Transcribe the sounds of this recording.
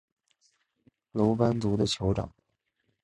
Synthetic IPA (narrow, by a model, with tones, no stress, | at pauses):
lo˧˥ʊpa˥nt͡su˧˥d̪ə˧t͡ɕʰjo˧˥ʊʈ͡ʂɑ̰˨˩˦ŋ